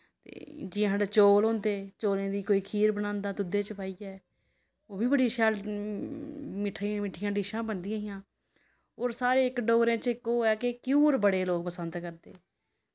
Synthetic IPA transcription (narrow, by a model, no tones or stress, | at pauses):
t̪ḛːd͡ʒɪãːɦɽet͡ʃoːlɦõːnd̪eːt͡ʃoːlẽːd̪iːkoːiːkʰiːɾbənãːnd̪aːt̪ʊd̪eːt͡ʃpaːiːɛː | oːbiːbəɽiːʃaːl | mɪʈʰːmɪʈʰːɪjãːɖɪʃãːbənd̪ĩaːɦɪjãː | oːɾsaːɾeːɪkɖoːɡɾẽːt͡ʃɪkːoːɛːkekuːɾbəɽeːloːɡ̚pəsənd̪kəɾd̪ḛː